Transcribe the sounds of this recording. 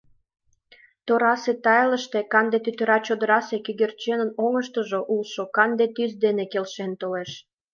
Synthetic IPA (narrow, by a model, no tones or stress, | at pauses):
t̪oɾɑset̪ɑjləʃt̪ekɑnd̪et̪yt̪øɾɑt͡ɕod̪əɾɑsekyɣert͡ɕenənoŋəʃt̪əʒoʔulʃokɑnd̪et̪yzd̪enekelʃent̪oleʃ